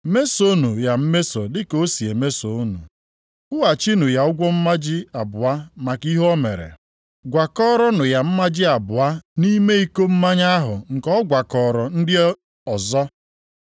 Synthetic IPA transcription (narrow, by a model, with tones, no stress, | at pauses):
me˦so˦nu˨ja˨m̩˦me˦so˨dɪ˦ko˦si˨e˨me˦so˨o˦nṵ˨ | ʊ˦wa˨t͡ʃi˦nu˨ja˨ʊ˦ɡʷɔ˦m̩˦ma˦d͡ʒɪ˦a˨bʊ˨a˦ma˨ki˦ɦɔ˦mḛ˨ɾḛ˨ | ɡʷa˨kɔ˦ɾɔ˦nʊ˨ja˨m̩˦ma˦d͡ʒɪ˦a˨bʊ˨a˦ni˦me˦i˦ko˦m̩˦ma˦ɲa˦ɦʊ̰˨ŋ̩˨kɔ˦ɡʷa˨kɔ˨ɾɔ˨n̩˦dɪ˦ | ɔ˨zɔ˦